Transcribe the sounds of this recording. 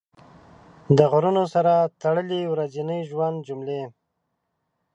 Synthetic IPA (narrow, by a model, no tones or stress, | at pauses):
d̪əɣɾunosaɾat̪aɽəliwɾazinəjʒwand̪̚d͡ʒumle